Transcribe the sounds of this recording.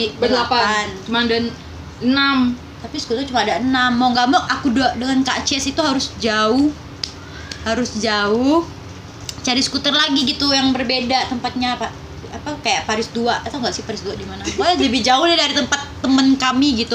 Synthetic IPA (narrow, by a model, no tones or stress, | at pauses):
ibəlapaant͡ʃumaŋdan | ənam | t̪apisəkut̪ərt͡ʃumaːdaʔənamːaŋɡaʔmɔʔakuduadəŋankaʔt͡ʃɛsit̪uɦaɾʊsd͡ʒaʊh | haɾʊsd͡ʒaʊh | t͡ʃaɾisə̥kut̪ərlaɡiɡit̪ujaŋbərbedat̪əmpat̪̚ɲapa | apakajaʔpaɾɪsduaʔat̪aŋɡaʔsɪpaɾɪsduadimanaad͡ʒabid͡ʒaʊhnadaɾit̪əmpat̪ːəmənkamiɡit̪u